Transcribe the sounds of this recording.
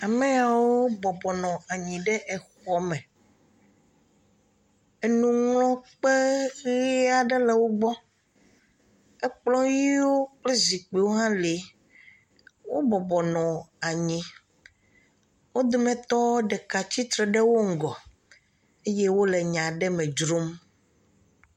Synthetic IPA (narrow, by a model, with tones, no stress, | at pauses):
a˨mɛ˦a˨wo˦bɔ˨bɔ˨nɔ̃˨a˨ɲĩ˨ɖɛ˦ʔɛ˨xɔ˦mɛ̃˨ | e˨nũ˨ŋlɔ̃˦k͡pe˦ɣi˦a˨ɖɛ˦lɛ˨wo˦ɡ͡bɔ˦ | ɛ˦k͡plɔ˦ji˦wo˦k͡ple˦zi˨k͡pe˨wo˦ɦã˦le˨ | wo˦bɔ˨bɔ˨nɔ̃˨a˨ɲĩ˨ | wo˦d̪o˦mɛ̃˨t̪ɔ˦ɖɛ˨ka˨t͡ɕi˦t̪ɾɛ˨ɖɛ˦wo˦ŋ̩˦ɡɔ˨ | e˦je˦wo˦lɛ˨ɲã˨ɖɛ˦mɛ̃˨d͡ʒɾo˦m